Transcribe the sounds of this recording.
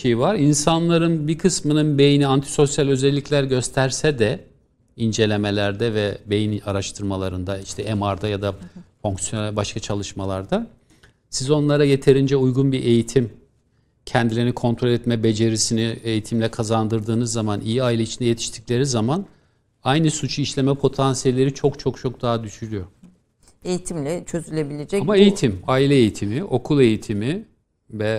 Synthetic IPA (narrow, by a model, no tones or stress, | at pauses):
ejivaɾinsanlˠaɾɯnbikʰɯsmɯnɯnbe̞jiniant̪ʰi̥so̞sjalʲø̞zɛlʲːiclʲæɾɟø̞st̪ʰæɾsɛd̪ɛ | ind͡ʒe̞lʲe̞me̞lʲæɾd̪ɛvɛbe̞jinaɾaʃt̪ʰɯɾmalˠaɾɯnd̪aiʃt̪ʰɛʔemaɾd̪ajad̪afoŋksijonbaʃkʰat͡ʃʰalˠɯʃmalˠaɾd̪a | sizo̞nlˠaɾaje̞t̪ʰe̞ɾind͡ʒɛujɡunbiɾʔe̞jit̪ʰim | cʰɛnd̪ilʲiɾinikʰo̞nt̪ʰɾo̞lʲɛt̪mɛbe̞d͡ʒe̞ɾisinie̞jit̪ʰimlʲɛkʰazand̪ɯɾd̪ɯːnɯzːamanʔijiaːilʲeit͡ʃʰind̪ɛjet̪ʰi̥ʃt̪ʰi̥clʲe̞ɾizaman | ajnɯsut͡ʃʰuiʃlʲe̞mɛpʰo̞t̪ʰansijelʲːe̞ɾit͡ʃʰo̞kt͡ʃʰo̞kt͡ʃʰo̞k̚d̪aɦad̪yʃyɾyjo̞ | ejit̪ʰimlʲɛt͡ʃʰøzylʲe̞bilʲed͡ʒɛamaejit̪ʰimaːilʲɛːjit̪ʰimiʔo̞kʰulˠe̞jit̪ʰimi | vɛ